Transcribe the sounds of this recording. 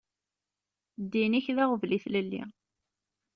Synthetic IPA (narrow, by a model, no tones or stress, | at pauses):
d̪ːiniçðaʁvliθləlːḭ